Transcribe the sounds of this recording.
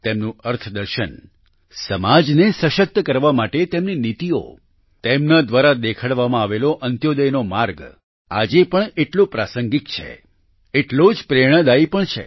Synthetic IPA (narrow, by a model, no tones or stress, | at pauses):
t̪emnũəɾt̪ʰd̪əɾʃən | səmad͡ʒnesəʃək̚t̪kəɾʋamaʈet̪emninit̪io̰ | t̪emnad̪ʋaɾad̪ekʰaɽʋamãaʋeloʔənt̪jod̪əjnomaɾɡ | a̰d͡ʒepəɳeʈlũpɾasəŋɡikt͡ʃʰḛ | eʈlod͡ʒpɾeɽ̃əd̪aipəɳt͡ʃʰḛ